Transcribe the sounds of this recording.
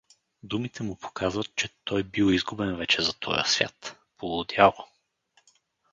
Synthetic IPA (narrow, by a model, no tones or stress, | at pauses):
d̪umit̪ʰɛmupʰo̥kʰazvət̪̚t͡ʃɛt̪ɔjbiwˠizɡubɛnvɛt͡ʃɛzɐt̪ʰɔ̰jə̰svʲja̰t̪ | polˠʊd̪ʲjalˠo